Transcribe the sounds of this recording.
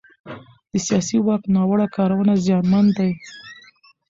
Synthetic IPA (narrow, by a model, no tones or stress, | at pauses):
d̪̥əsijɑsiwɑk̚t̪nɑwəɽakɑɾawənazjɑnmand̪aj